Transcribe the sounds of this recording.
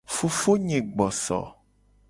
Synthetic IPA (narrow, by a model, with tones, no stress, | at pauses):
fu˨fo˦ɲẽ˨ɡ͡bɔ˨sɔ̰˨